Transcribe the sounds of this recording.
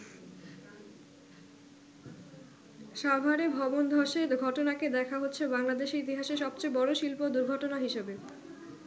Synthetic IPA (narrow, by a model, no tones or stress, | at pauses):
ʃabʱaɾebʱɔbond̪ʱɔʃeɾɡʱɔʈonaked̪ɛkʰaɦotːɕʰebaŋlad̪eʃɾit̪iɦaʃeɾʃɔb̚t͡ɕebɔɾoʃilpod̪uɾɡʱɔʈonaɦiʃebe